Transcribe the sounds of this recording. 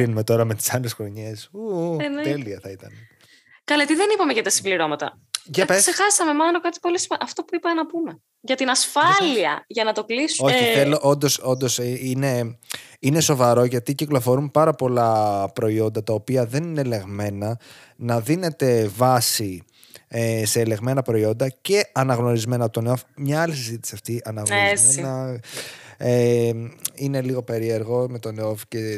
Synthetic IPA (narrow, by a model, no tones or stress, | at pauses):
inume̞t̪o̞ɾɐme̞t̪i̥sɐle̞sxɾo̞ɲe̞suent̪eliɐθɐit̪ɐne | kɐlet̪iðe̞nipɐmeʝɐt̪ɐsimbliɾo̞mɐt̪ɐ̰ | ʝɐeksexɐsɐme̞mɐnokɐt̪i̥po̞lisʔɐft̪o̞puipɐt̪enɐpume̞ | ʝɐt̪inɐsfɐliɐʝɐnɐt̪o̞klisuoçiθeloʔo̞nd̪o̞so̞nd̪o̞sineine̞so̞vɐɾo̞ʝɐt̪iciklo̞fo̞ɾumpɐɾɐpo̞lɐpɾo̞io̞nd̪ɐt̪ɐopiɐðe̞nine̞le̞ɣme̞nɐ | nɐðine̞t̪e̞vɐsi | ese̞ːle̞ɣme̞nɐpɾo̞io̞nd̪ɐce̞ɐnɐɣno̞ɾizme̞nɐp̚t̪o̞neofmɲɐɐlisizit̪isiɐft̪iʔɐnɐɣzmenɐ | e | ine̞liɣope̞ɾie̞ɾɣo̞me̞t̪o̞neofce